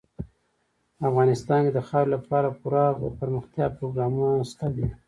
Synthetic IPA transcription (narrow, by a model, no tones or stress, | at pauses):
afɣɑnɪst̪ɑnked̪əxɑɾlapɑɾapuɾapəɾməxt̪jɑpɾoɡɾɑmunast̪ad̪i